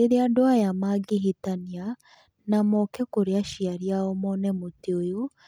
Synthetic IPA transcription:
eɾeadoajamaɡiɦitania | namɔkɛkoɾeaʃiaɾiaomɔnɛmoteojo

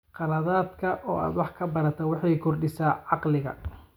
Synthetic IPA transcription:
qɑlɐðaːd̪kʰɐʔɔ̰ːʔa̰ːd̪wɑħkʰɐbɐɾɐt̪ʰɐwɑħɑjkʰɔrɖɪsaːʕɑqlɪɣɐ̰

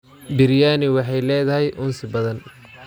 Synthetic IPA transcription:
bɪɾjaːnɪwɑħɑjlɛːðɐɦɛjʔʊnsɪbɐðɐn

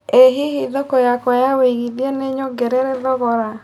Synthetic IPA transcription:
eɦiɦiðokojakwajaweiɣidieneɲoɡeɾeɾeðɔɣɔɾa

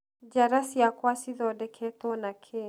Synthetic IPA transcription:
d͡ʒaɾasjakwasiðɔdɛkʰɛtɔnakʰe

